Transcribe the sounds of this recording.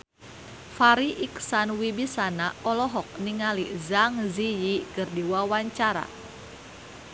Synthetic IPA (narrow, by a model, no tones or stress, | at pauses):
faɾiʔiksanwibisanaɔlɔɦɔk̚niŋalizaŋzijikɨrdiwawaɲt͡ʃaɾa̰